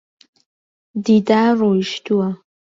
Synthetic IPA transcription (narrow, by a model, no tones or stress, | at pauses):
didʼaroiʃtʰuwa